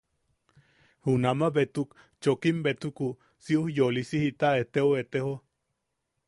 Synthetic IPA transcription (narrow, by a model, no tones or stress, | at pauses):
hunamaβet̪uk | t͡ʃokimbet̪uku | siuhjolisihit̪aet̪eoet̪eho